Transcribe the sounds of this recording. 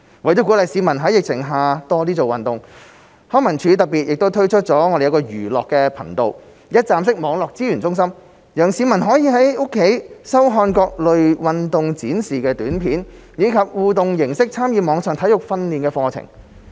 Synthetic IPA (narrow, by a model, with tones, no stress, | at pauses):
wɐ˨˩jt͡sɔ˨˥kuː˨˥lɐ˨jsiː˨˧mɐ˨˩nɦɐ˨˥jɪ˨k̚t͡sʰɪ˨˩ŋɦaː˨t̪ɔː˧liː˥t͡so˨wɐ˨nt̪ʊ˨ŋ | hɔː˥ŋmɐ˨˩nt͡ʃʰyː˨˧t̪ɐ˨t̚piː˨t̚jɪ˨k̚t̪o˥wt̪ʰɵ˥ɥt͡ʃʰɵ˥t̚t͡sɔː˨˥ŋɔː˨˧de˨jɐ˧kɔː˧jyː˨˩lɔː˨kːɛː˧pʰɐ˨˩ŋt̪o̰˨˧w | jɐ˥t̚t͡saː˨˧msɪ˥k̚mɔː˨˧˥ŋlɔː˨k̚t͡siː˥ɥyː˨˩nt͡sʊ˥ŋsɐ˥m | jœː˨˩ŋsiː˨˧mɐ˨˩nɦɔː˨˥jiː˨˧ɦɐ˨˥jʊ˥kʰːe˨˥jsɐ˥wɦɔː˧nkɔː˧k̚lɵ˨ɥwɐ˨nt̪ʊ˨ŋt͡siː˨˥nsiː˨kɛː˧t̪yː˨˥npʰiː˨˥n | jiː˨˧kʰɐ˨p̚wuː˨t̪ʊ˨ŋjɪ˨˩ŋsɪ˥k̚t͡sʰaː˥mjiː˨˧mɔː˨˧ŋsœː˨ŋt̪ʰɐ˨˥jʊ˨k̚fɐ˧nliː˨nkɛː˧fɔː˧t͡sʰɪ̰˨˩ŋ